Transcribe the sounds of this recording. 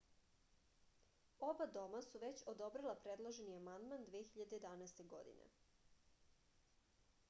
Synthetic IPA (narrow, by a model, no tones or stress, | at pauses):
obad̪o̞masuʋe̞t͡ɕod̪o̞bɾelˠapɾed̪lˠaʒeniamand̪mand̪ʋeːxiʎad̪eed̪anaest̪e̞ɡo̞̰d̪ḭnḛ